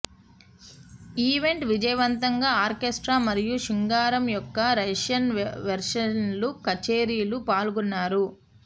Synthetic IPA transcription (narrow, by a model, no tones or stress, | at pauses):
iːʋe̞ɳʈʋid͡ʒɐjɐʋɐnt̪ɐŋɡaːaːɾkesʈɾaːmɐɾijuʃiŋɡaːɾɐmjɔkːɐɾɐʂɐnʋɐɾʂɐnlukɐt͡ʃeːɾijɐlupaːlɡunːaːɾu